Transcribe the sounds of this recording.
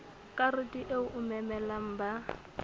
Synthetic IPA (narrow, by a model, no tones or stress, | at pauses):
kʼarɪtʼiʔeʊʔʊmɛmɛlam̩ːba